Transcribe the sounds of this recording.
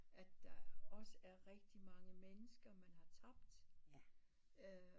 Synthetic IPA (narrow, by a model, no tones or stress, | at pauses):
ʔæd̥ːɑɒ̽səæɐʁɛɡ̥d̥imɑ̈ŋəmenəsɡ̥ɐmænhɑ̈t͡sʰɑ̈b̥d̥